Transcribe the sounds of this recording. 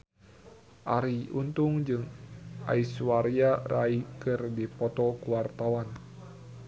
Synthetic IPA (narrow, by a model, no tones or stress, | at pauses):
ʔaɾiunt̪uŋd͡ʒɨŋʔa̰iswaɾjaraikɨrdipɔt̪ɔkuwart̪awan